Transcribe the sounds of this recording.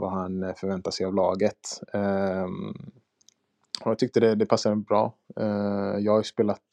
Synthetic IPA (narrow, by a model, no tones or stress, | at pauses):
va̰hanfœɾvɛnt̪asɛjavlɑːɡət̪ | ɔjat̪ʰʏk̚t̪əd̪ɛd̪ɛpʰasːabɾɑ̰ː | jɑːɡhajspeːlat̪